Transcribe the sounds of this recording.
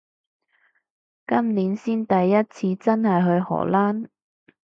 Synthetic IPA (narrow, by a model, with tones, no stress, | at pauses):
kɐ˥mniː˨˥nsiː˥nt̪ɐ˨jːɐ˥t̚t͡sʰiː˧t͡sɐ˥nhɐ˨jɦɵ˧ɥhɔ̰ː˨˩laː˥n